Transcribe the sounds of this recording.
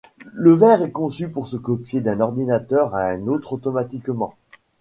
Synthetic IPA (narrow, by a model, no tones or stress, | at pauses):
ləvɛʁɛkɔ̃sypuʁsəkɔpjed̪ɛ̃nɔʁd̪inat̪œʁaɛ̃not̪χot̪ɔmat̪ikmɑ̃